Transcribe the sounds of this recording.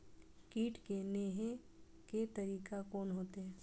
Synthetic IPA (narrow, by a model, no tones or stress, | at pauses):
kiːʈkeneːɦe | ket̪ɐɾiːkakɔːnɦoːt̪eɦɛ̃ː